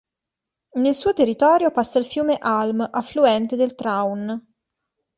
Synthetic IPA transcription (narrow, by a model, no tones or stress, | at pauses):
nelsuːot̪erːit̪ɔːɾjopasːailfjuːmeʔalmʔafluɛnt̪ed̪elt̪ɾawn